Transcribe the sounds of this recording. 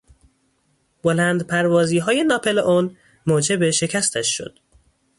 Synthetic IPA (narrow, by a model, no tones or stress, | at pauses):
b̥olænd̪pʰæɾvɒːziːɦɒːje̞nɒːpʰelʔon | moːd͡ʒe̞beʃe̞cʰæst̪ʰæʃʃo̰d̪̥